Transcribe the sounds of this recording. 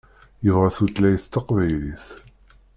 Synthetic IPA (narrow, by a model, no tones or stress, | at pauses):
jəvʁæθut̪læjəθt̪ːɑqvæjliθ